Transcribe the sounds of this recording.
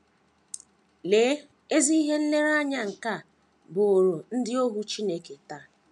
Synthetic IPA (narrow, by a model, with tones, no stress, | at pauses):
leː˨˦ | e˦zi˦i˦ɦe˦n̩˦le˦ɾa˦ɲa˦ŋ̩˨ka˦˨ | bʊ˨o˨ɾo˨n̩˦dɪ˦o˦ɦu˦t͡ʃi˦ne˦ke˨ta˦